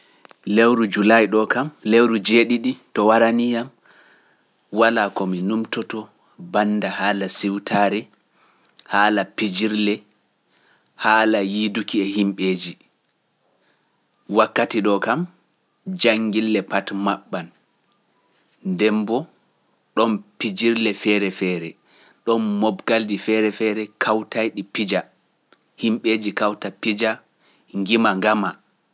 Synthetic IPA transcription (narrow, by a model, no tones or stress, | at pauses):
lewɾud͡ʒulajɗɔkamlewɾud͡ʒeɗiɗitɔwaɾanijam | walakɔminumtɔtɔ | banːdahaːlasiwtʰaɾɛ | haːlapid͡ʒiɾlɛ | haːlajidukiɛhimɓeːd͡ʒi | wakːatiɗɔkam | d͡ʒaŋɡilːɛpatmaɓːan | ndɛmbɔ | ɗɔnpid͡ʒiɾlɛfɛɾɛfɛɾɛ | ɗɔnmɔbɡaldifɛɾɛfɛɾɛkʰawtajɗipid͡ʒa | himɓeːd͡ʒikawtapid͡ʒa | ŋɡimaŋɡama